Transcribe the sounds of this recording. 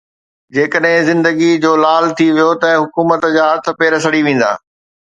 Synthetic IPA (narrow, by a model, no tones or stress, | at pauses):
d͡ʑeːkəɗɦɪ̃zɪ̃nd̪əɡid͡ʑoːlaːlt̪ʰiʋijot̪ɐɦʊkuːmət̪d͡ʑaːɦɐt̪ʰə̆peːɾəsɐɽiʋẽːn̆d̪a̰ː